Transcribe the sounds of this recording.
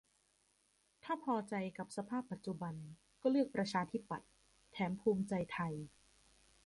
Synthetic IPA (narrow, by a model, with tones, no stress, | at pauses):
t̪ʰaː˥˩pʰɔː˧t͡ɕa˧jka˨˩p̚sa˧pʰaː˥˩pːa˨˩t̪̚t͡ɕu˨˩ba˧n | kɔː˥˩lɯ˥˩ək̚pɾa˧t͡ɕʰaː˧t̪ʰi˦˥˩pːa̰˨˩t̪̚ʰː | ɛː˩˦mpʰuː˧mt͡ɕa˧jt̪ʰa˧j